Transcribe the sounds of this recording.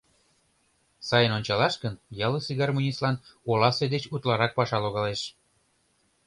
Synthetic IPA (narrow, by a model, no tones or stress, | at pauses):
sɑjənonʲt͡ɕɑlɑʃkənjɑlɤsiɣɑrmunʲislɑnolɑsed̪et͡ɕut̪lɑɾɑk̚pɑʃɑloɣɑleʃ